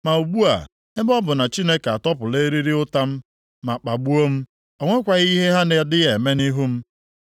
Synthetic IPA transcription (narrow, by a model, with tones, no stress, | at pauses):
ma˨u˨ɡ͡bu˦a˨ | ɪ˦bɔ˦bʊ˨na˨t͡ʃi˦ne˦ka˨tɔ˦pʊ˨le˦ɾi˦ɾi˦ʊ˦ta˦m̩˦ | ma˨k͡pa˨ɡ͡bu˦o˦m̩˦ | o˨ŋʷe˦kʷa˨ɣi˦ɦe˦ɦa˦ne˨dɪ˦je˨me˦ni˦ɦu˦m̩˦